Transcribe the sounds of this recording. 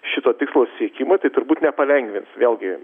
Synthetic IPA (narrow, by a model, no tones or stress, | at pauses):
ʃʲɪt̪oːt̪ʲɪkslˠoːssʲiɛkʲimoːt̪ɐɪt̪ʊɾbuːt̪nʲɛpɐlʲɛŋʲɡʲʋʲɪnsʋʲeːlˠɡʲɪ